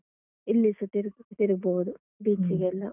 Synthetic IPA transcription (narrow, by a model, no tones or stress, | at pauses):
ilːisɐt̪iɾɡt̪iɾɡboːd̪u | biːt͡ʃiɡelːɐ